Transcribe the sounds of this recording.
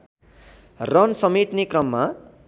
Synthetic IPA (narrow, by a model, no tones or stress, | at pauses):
rʌnsʌmet̪nekrʌmːa